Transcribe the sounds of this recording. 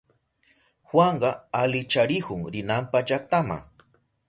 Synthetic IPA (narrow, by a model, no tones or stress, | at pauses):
xwaɴɢɑalɪt͡ʃaɾɪhʊŋɾɪnampad͡ʒakt̪ama̰ŋ